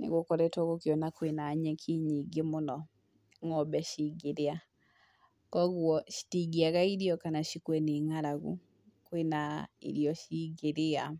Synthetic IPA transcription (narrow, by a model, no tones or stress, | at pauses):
nḛɣokɔɾɛtwɔɣokjɔnakwenaɲɛkʰiɲiɡemonɔ | ŋɔbɛʃiɡeɾea | kɔɣwɔʃi̥tiɡiaɣaiɾiɔkanaʃikwɛneŋaɾaɣṵ | kwenaḭɾjɔʃiɣeɾea